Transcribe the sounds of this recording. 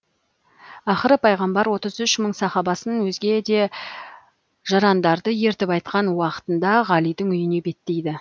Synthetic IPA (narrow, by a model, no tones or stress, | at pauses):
ɑχəɾəpʰɑjʁɑmbɑɾwo̞t̪əzʏʃməɴsɑχɑbɑsənwɵzɡʲe̞d̪e̞ | ʒ̥ɑɾɑnd̪ɑɾd̪əje̞ɾt̪ɪpɑjt̪̚qɑnwɑqə̥t̪ənd̪ɑʁɑlijd̪ɪŋʏjɪne̞be̞t̪ːe̞jd̪ɪ